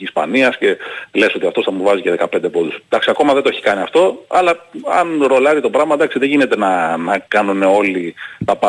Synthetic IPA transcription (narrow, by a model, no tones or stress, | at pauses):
ispɐ̰niɐsce̞le̞so̞t̪iɐft̪oθɐmuvɐziceðe̞kɐpend̪e̞pod̪usd̪ɐksiɐko̞mɐðend̪oeçi̥kɐniɐft̪o̞ɐ̰lɐɐ̰nɾo̞lɐɾit̪o̞pɾɐmɐd̪ɐksiðe̞ʝine̞t̪e̞nɐnɐkɐnune̞o̞lit̪ɐpɐ